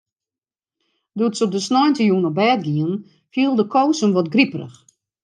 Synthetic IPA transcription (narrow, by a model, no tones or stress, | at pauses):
duətsɔp̚dəsnɔjntəjuːnɔbɛːt̚ɡiən | fjiəlˠdəkʰoːsəmʋɔtɡriprə̰x